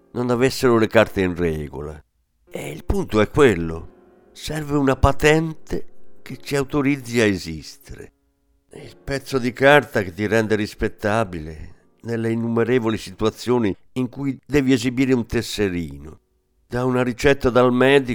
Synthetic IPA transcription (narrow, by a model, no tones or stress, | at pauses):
nonavesːeɾolekaɾt̪einrɛːɡo̰la̰ | eilpunt̪oɛkːwelːo̰ | sɛrveunapat̪ɛnt̪ek̟et͡ʃːiawt̪oɾid̪zːiaezist̪eɾḛ | ilpɛt̪sːod̪ikart̪aket̪ːiɾɛnd̪eɾispet̪ːaːbilḛ | nelːeinːumeɾeːvolisit̪uat̪sːjoːni | iŋkujd̪ɛːviezibiːɾeunt̪esːeɾiːno̰ | d̪aunaɾit͡ʃɛt̪ːad̪almɛːd̪i